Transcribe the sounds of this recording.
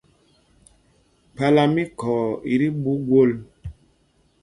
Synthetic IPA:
pa˦la˦mi˦kɔː˨i˨ɾi˦bu˦ɡwo˦˨l

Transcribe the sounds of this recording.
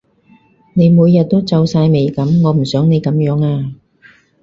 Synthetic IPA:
ne˨˧jmuː˨˧jːɐ˨t̚t̪o˥wt͡sɐ˨˧wsaː˧jme˨˩jkɐ˨˥mŋɔː˨˧m̩˨˩sœː˨˥ŋne˨˧jkɐ˨˥mjœː˨˥ŋaː˧

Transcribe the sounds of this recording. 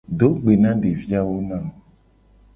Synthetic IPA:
ɖo˦ɡ͡be˨nã˦ɖe˨vi˦a˦wo˦nã˦˨

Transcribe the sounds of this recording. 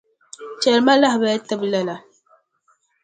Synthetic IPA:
t͡ʃɛ˨lma˦la˦hbɛ˨˦ta˦bla˨la˨

